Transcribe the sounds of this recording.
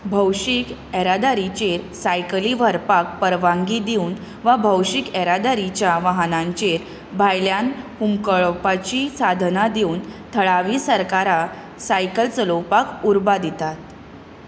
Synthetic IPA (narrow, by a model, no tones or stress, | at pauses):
bʱəwɕikɛɾad̪aɾit͡ɕeɾsajkliʋəɾpak̚pəɾʋãŋɡid̪iun | ʋabʱəwɕikɛɾad̪aɾit͡ɕjaʋaɦnãɲt͡ɕeɾ | bʱajljanhumkəɭpat͡ɕisad̪ʱnad̪iuːnt̪ʰəɭaʋiːsəɾkaɾa | sajkəlt͡səlowpakuɾbad̪it̪at̪